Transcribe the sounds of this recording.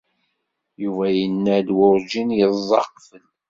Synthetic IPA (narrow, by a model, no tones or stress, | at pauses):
juvæjənːæd̪wʊɾd͡ʒinjəzˤːɑqfən